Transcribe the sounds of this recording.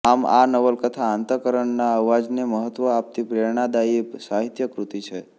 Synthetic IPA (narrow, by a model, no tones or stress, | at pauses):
ama̰nəʋəlkət̪ʰaːnt̪əkəɾəɳnaəʋʋad͡ʒneməɦət̪ʋəap̚t̪ipɾeɾɳad̪aipsaɦit̪jəkɾut̪it͡ʃʰe